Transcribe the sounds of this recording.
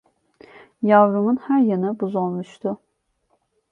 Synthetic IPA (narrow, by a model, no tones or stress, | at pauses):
javɾumunhæɾjanɯbuzolˠmuʃt̪ʰʊ